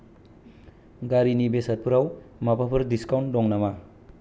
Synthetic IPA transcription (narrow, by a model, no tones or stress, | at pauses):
ɡaɾinibesɐt̚pʰuɾawmapapʰɐɾdiskawntdɔŋnama